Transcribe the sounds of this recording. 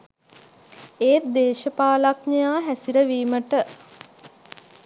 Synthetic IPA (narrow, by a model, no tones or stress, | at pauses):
eːt̪̚d̪eːʃəpaːlaknejaːɦæsiɾəʋiːməʈə